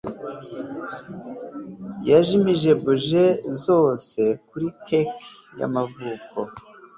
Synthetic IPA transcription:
jaʒimiʒe̞buʒezo̞ːse̞kuɾikek | ja̰mavuːko̞

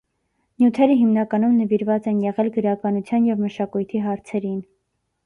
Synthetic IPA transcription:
njut̪ʰɛɾəɦimnɑkɑnumnəviɾvɑt͡sɛnjɛʁɛlɡəɾɑkɑnut͡sʰjɑnjɛvməʃɑkujt̪ʰiɦɑɾt͡sʰɛɾin

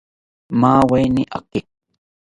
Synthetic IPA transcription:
maːwajnɪʔa̰kɪ

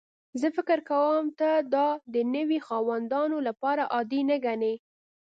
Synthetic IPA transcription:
zəfɪkɪɾkawəmt̪ad̪ɑd̪ənəwixɑwand̪ɑnolapɑɾaʔɑd̪inəɡane

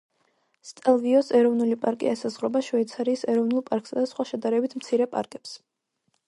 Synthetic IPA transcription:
st̪ʼɛlˠviɔsɛɾɔvnulipʼaɾkʼḭɛsazʁɾɔbaʃɔit̪sʰaɾiːsɛɾɔvnulˠpʼaɾkʼsad̪asχwaʃɛd̪aɾɛbit̪ʰmt̪sʰiɾɛpʼa̰ɾkʼɛ̥ps

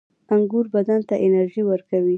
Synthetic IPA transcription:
aŋɡuɾbad̪ant̪aʔɪnaɾʒiwəɾkawi

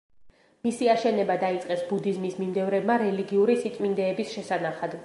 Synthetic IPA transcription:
misiaʃɛnɛbad̪ait̪sʼqʼɛsbud̪izmismimd̪ɛvɾɛbmaɾɛliɡiuɾisit̪ʼmind̪ɛːbisʃɛsanaχad̪

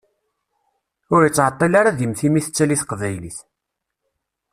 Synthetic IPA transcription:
ʊɾjət͡sːʕət̪ˤːelaɾaðjəmθimiθə̥t͡sːæliθqvæjliθ

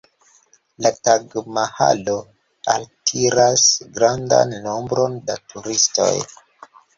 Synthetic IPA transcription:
lataɡmaha̰lo̞ | altʰiɾasɡɾanda̰nːo̞mbɾo̞ndatʰuɾisto̞̰j

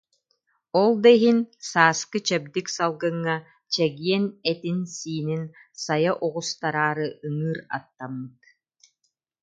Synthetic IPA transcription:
ɔlˠd̪ɛɦinsaːskɯt͡ɕɛb̚d̪iksalˠɡɯŋːa | t͡ɕɛɡiɛnɛt̪insiːnin | sajaʔuʁust̪aɾaːɾɯɯŋɯːɾa̰t̪ːamːɯt̪

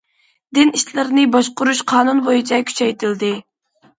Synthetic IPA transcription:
d̪ɪniʃlɪɾnɪbɑʃqʊɾuʃqʰɑːnunbojit͡ʃʰɑkʲʰy̥t͡ʃʰɛjt̪ʰɪld̪ɪ

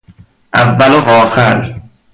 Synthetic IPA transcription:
ʔævːælovɒːxæɾ

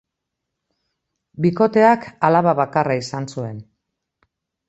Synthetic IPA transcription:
biko̞t̪e̞akalaβaβakaraisansue̞n

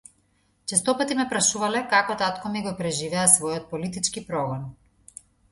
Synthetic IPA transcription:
t͡ʃɛst̪ɔpat̪imɛpɾaʃuvalɛkakɔt̪at̪kɔmiɡɔpɾɛʒivɛasvɔjɔt̪̚pɔlit̪it͡ʃkipɾɔɡɔn

